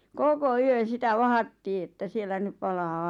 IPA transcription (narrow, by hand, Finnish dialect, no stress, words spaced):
koko yøn̞ sitæ ʋɑhɑtːiː etːæ sielːæ nyp̆ pɑlɑː